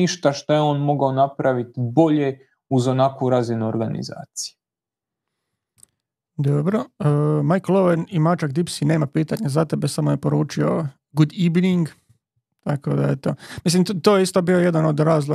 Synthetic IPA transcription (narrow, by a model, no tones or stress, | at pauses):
iʃt̪aʃt̪ojeo̞ːnmo̞ɡaonapɾaʋit̪iboʎe | uzonakuɾazinuoɾɡanḭza̰ːt̪si̥ju | d̪obɾoəːmajklˠoʋenimat͡ʃakd̪ipsine̞ːmapiːt̪aɲazat̪ebe̞samoje̞po̞ɾuːt͡ʃio̞ | ɡud̪iʋniŋɡ | t̪ako̞d̪aet̪o̞mis̬limt̪oːjeist̪obiːo̞je̞d̪ano̞d̪ɾaːzlˠo